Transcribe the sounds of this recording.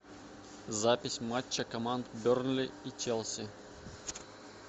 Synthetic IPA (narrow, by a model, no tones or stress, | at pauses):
zapʲɪsʲmat͡ɕːəkɐmant̪bʲornlʲɪit͡ɕʲelˠsʲɪ